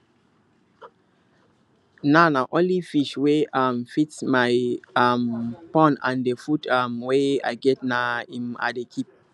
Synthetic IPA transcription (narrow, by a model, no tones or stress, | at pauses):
nanaʔɔ̃nlifiʃweamfitsmaɪampɔ̃nã̰ndefutʰamwea̰ɪɡɛt̚naĩma̰dekʰip̚